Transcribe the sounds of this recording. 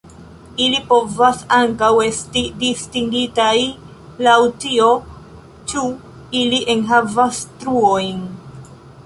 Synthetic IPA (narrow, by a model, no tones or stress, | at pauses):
ilipo̞vasaŋkawe̞stidistiŋɡitaj | lawtio̞ | t͡ʃu | iliʔenɦavastɾuojn